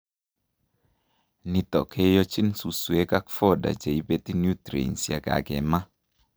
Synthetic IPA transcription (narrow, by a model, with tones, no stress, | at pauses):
ni˨t̪ɔ̰˨kʰe˦jɔ˦t͡ʃi˦nsu˨swe˦ka˦kfɔ˦da̰˨d͡ʒe˨i˦be˦t̪i˦nju˦t̪ɾḛ˨nsja̰˨ɡa̰˨ɡɛ̰˨ma˦